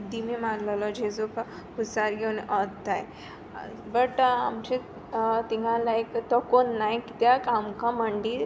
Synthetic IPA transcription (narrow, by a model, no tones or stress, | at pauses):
d̪imimaɾləlɔd͡ʑed͡zok | usaɾɡʱeunɔt̪aj | bəʈamt͡ɕe | t̪iŋɡalaekt̪ɔkonːajki̥t̪jakamkãməɳɖi